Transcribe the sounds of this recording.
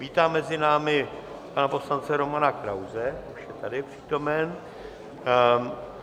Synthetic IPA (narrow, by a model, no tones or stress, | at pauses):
viːt̪aːmːɛzɪnaːmɪ | panapo̞slant͡sɛɾo̞manakɾawzɛuʃjɛt̪adɪpr̥iːt̪o̞mɛn